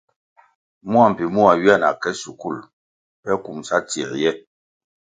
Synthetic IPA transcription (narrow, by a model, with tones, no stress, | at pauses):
mu˦a˨m̩˨pi˨mu˦a˨ɥi˦a˦˨na̰˨kɛ˦su˨ku˦˨l | pɛ˦ku˨msa˦tḭ˨ɾjɛ˦